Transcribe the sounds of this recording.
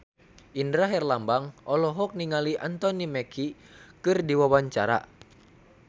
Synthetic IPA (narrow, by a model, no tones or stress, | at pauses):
ʔindɾaɦɛrlambaŋɔlɔɦɔk̚niŋaliʔant̪ɔnimɛkʰi | kɨrdiwawaɲt͡ʃaɾa̰